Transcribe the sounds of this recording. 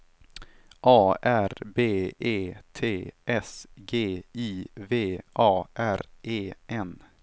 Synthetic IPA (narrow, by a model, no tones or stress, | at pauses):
ʔɑːæɾbeːeːt̪ʰeːʔɛsɡeːiːveːʔɑːʔæɾʔeːʔɛn